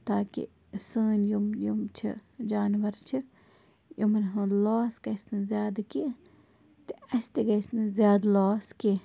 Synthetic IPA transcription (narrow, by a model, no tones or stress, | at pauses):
t̪aːkḭ | səːnjumjumt͡ʃʰḭd͡ʒaːnʋɐɾt͡ʃʰi | jumɐnɦũːlaːskɐsnɨzjaːd̪ki | t̪iɐst̪eɡɐsnɨzjaːd̪loːski